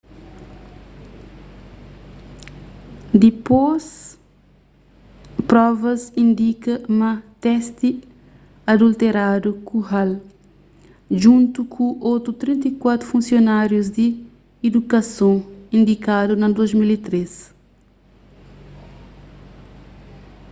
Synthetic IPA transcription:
d̪ipos | pɾɔvɐsĩnd̪ikɐmɐt̪ɛst̪i | ɐd̪ult̪eɾad̪ukuɦal | ʒũnt̪ukʰuʔot̪ut̪ɾĩnt̪ɐkwat̪ɾufũnsjonaɾjuzd̪iː | d̪ukɐsõĩnd̪ikad̪unɐd̪ozmilit̪ɾes

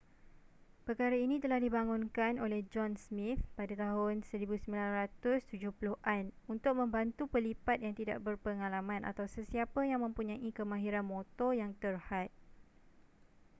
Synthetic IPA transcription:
pəkaɾainĩt̪əlahdibaŋʊnkanolɛhd͡ʒɔnsmifpadat̪aɦʊnsəɾibusəmbilanrat̪ʊst̪ud͡ʒʊhpuluʔanunt̪ʊk̚mə̃mbant̪upəlipat̪̚jaŋt̪ida̰ʔbərpəŋalamãnʔa̰t̪awsəsiapajaŋmə̃mpuɲãʔikəmãɦiɾanmot̪ɔjaŋt̪ərhat̪̚

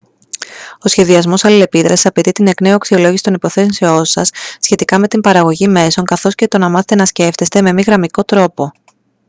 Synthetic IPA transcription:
o̞sçe̞ðiɐzmo̞sɐlile̞piðɾɐsi̥sɐpe̞t̪it̪ine̞kne̞uɐksio̞lo̞jʝisi̥t̪onipo̞θe̞sonseo̞sɐsːçe̞t̪ikɐme̞t̪imbɐɾɐɣo̞ʝime̞so̞ŋkɐθo̞sce̞t̪o̞nɐmɐθet̪enɐsce̞ft̪e̞st̪e̞me̞miɣɾɐmiko̞t̪ɾo̞po̞

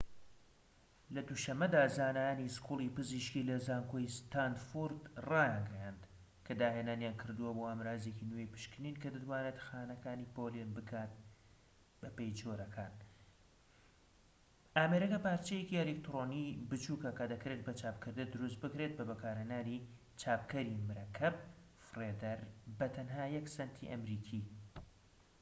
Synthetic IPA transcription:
lɐd̪uʃɐmːɐd̪aːzaːnajaːniskʰulˠipɨziːʃkilɐzaːŋkʰoist̪ʰand̪fuɾd̪rɑːjaɡɛjand̪ | kʰɐd̪aːɦeːnaːnjaːnkʰɨɾd̪uwɐboaːmɾaːzecinwejpɨ̥ʃkɨninkɐd̪ɨt̪waːnet̪xaːnɐkaːniːpolenbɨkʰaːt̪̚ | bɐpejd͡ʒoɾɐkʰaːn | ʔaːmeɾɐkɐpaːɾt͡ʃejeciɛlek̚t̪ɾoːnibɨt͡ʃuːkɐkɐd̪ɐkɾet̪̚bɐt͡ʃʰaːpkʰɨɾd̪ɨd̪ɨɾus̬t̪̚bɨkɾet̪̚bɐbɐkʰaːɾhenaːɾi | t͡ʃʰaːpkɐɾimɨɾɐkʰɐb̚ | freːd̪ɐɾbɐt̪ʰɐnɦaːjɛksɐnt̪ʰḭʔɐ̰mɾiːkʰiː

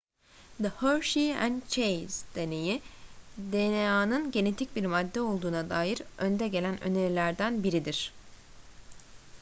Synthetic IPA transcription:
d̪əhøɾʃiæ̰nt͡ʃʰejz̥d̪̥e̞neji | d̪enejaːnɯnɟe̞ne̞t̪ʰic̚biɾmad̪ːɛo̞lˠd̪uːnad̪aːjiɾø̞nd̪ɛɟe̞lʲænʔø̰neɾilʲæɾd̪ænbiɾid̪iɾ̥

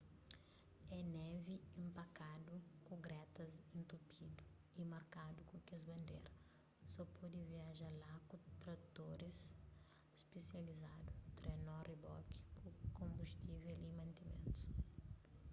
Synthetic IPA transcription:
ɛnɛviĩmpakad̪ukuɡɾɛt̪ɐzĩnt̪upid̪u | imaɾkad̪ukukezbɐ̃nd̪ḛɾɐ | sɔpʰɔd̪iviaʒalakut̪ɾad̪ut̪oɾis | spesializad̪ut̪ɾɛnɔribɔ̰ki̥kukõmbust̪ivɛlimɐ̃nt̪imḛ̃nt̪u̥s

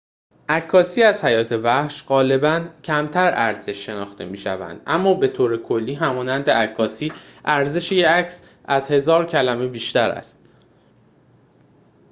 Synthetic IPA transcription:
ʔækʰːɒːsiːæzhæjɒːt̪ʰe̞væhʃɢɒːle̞bæncʰæmt̪ʰæɾæɾze̞ʃːe̞nɒ̰ːxt̪e̞̰miːʃæ̰væ̰nd̪̥ʔæmːɒːbe̞t̪ʰoːɾekʰo̞lːiːɦæmɒːnænd̪eækʰːɒːsiːʔæɾze̞ʃejeæcs | ʔæzhe̞zɒːɾcʰælæme̞biːʃt̪æɾæ̰st̪̚

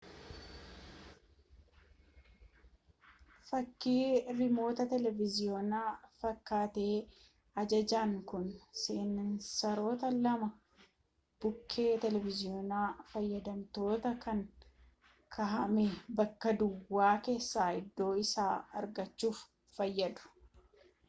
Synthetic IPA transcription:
fɐkːiːɾɪmo̞ːt̪ɐt̪ɛlɛvɪzɪjo̞ːnaːfɐkːaːt̪e̞ː | ɐd͡ʒɐd͡ʒaːŋkʊnseːnnsɐɾo̞ːt̪ɐlɐmɐ | b̥ʊkʰːe̞ːt̪ɛlɛvɪzɪoːnaːfɐjːɐd̪ɐmt̪o̞ːt̪ɐkɐŋ | kʰɐɦɐmebɐkːɐd̪ʊwːaːke̞ːsːaːɪd̪ːo̞ːɪsaːɐɾɡɐt͡ʃːuːfː | ɐjːɐd̪ʊ̥

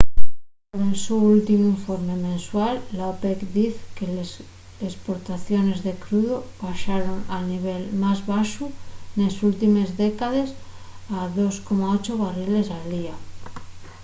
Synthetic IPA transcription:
onelsuult̪imuiɱfoɾmemẽ̞nswalːaopekd̪iθkeles | espoɾt̪aθjone̞zðekɾuðoβaʃaɾoŋalniβ̞elmazβaʃune̞sult̪imezðekað̞e̞s | aðo̞skomaot͡ʃoβarile̞sald̪ia

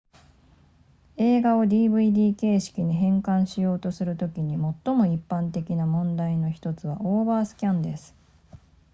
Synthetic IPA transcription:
e̞ːɡao̞d̪ʲiːbɯ̟id̪ʲiːke̞ːɕi̥kʲiɲiɦẽ̞ŋkãɰ̃ɕijo̞ːt̪o̞sɨɾɯ̟t̪o̞kʲiɲ̟imo̞t̪ːo̞mo̞ipːãnt̪e̞kʲinamõ̞nd̪aino̞çi̥t̪o̞t͡sɨβ̞a̰ʔoːbaːsɨ̥kʲãnd̪e̞sɨ̥

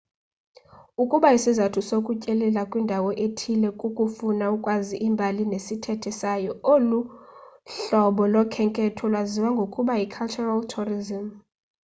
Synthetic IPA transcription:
ukʼuɓaisizatʰusokʼucʼɛlɛlakʼwindʱawɔʔetʰilɛkʼukʼufunaukʼwaziʔimbʱalinesitʰɛtʰisajɔolu | ɬɔɓɔlɔkʰɛŋkʼɛtʰɔlwaziwaŋɡʱokʼuɓajikʰalt͡ʃʰʼuraltʰurizim

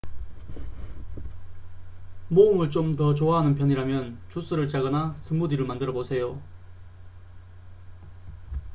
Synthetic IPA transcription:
moɯmɯɭt͡ɕ͈omtʌt͡ɕoaɦanɯnpʰjʌɲiɾamjʌnt͡ɕus͈ɯɾɯɭt͡ɕ͈aɡʌnasʰɯmːudiɾɯɭmandɯɾʌbosʰe̞jo

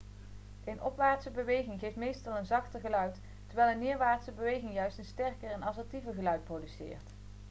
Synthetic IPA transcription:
ənɔ̰pʋaːɹtsəbəʋejχɪŋχejftmejstɑlˠənzɑχtəɹχəlœɥt | təɹʋɛjlˠənːɪːɹʋaːɹtsəbəʋejχɪŋjœɥstənstɛɹkəɹɛnɑsəɹtivəɹɣəlœɥt̚prowdysɪ̰ːɹt

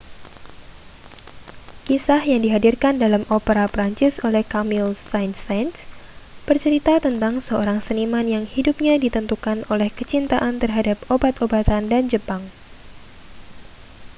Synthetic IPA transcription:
kisahjaŋdiɦadirkandalamʔopəɾapɾaɲt͡ʃɪsolɛhkamɪlsajnsansb̥ərt͡ʃəɾit̪at̪ənt̪aŋsəoɾaŋsənimanjaŋhidup̚ɲadit̪ənt̪ukanolɛhkət͡ʃint̪aʔant̪ərɦadap̚obat̪obat̪andand͡ʒəpaŋ

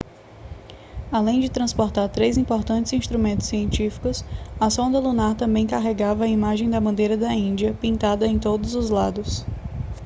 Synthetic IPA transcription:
alẽj̃d͡ʒɪt̪ɾɐ̃spoɾt̪aɾt̪ɾezĩpoɾt̪ɐ̃t͡ʃɪzĩst̪ɾumẽnt̪ʊ̥siẽnt͡ʃifi̥kʊsɐsõnd̪ɐlunaɾt̪ɐ̃mbẽj̃kaɦeɡavɐːimaʒẽj̃d̪ɐbɐ̃nd̪ejɾɐd̪ɐĩnd͡ʒiɐpĩnt̪ad̪ɐẽj̃t̪od̪ʊzʊzlad̪ʊs

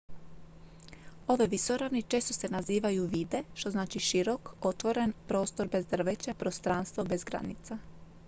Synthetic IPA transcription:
o̞ʋeʋisoɾaʋnit͡ʃe̞ːst̪o̞se̞naziːʋajuʋiːd̪e̞ʃt̪o̞znaːt͡ʃiʃiɾo̞ko̞t̪ʋo̞ɾenpɾo̞ːst̪o̞ɾbe̞zd̪r̩ʋet͡ɕapɾost̪ɾanst̪ʋobe̞zɡɾa̰nḭt̪sa

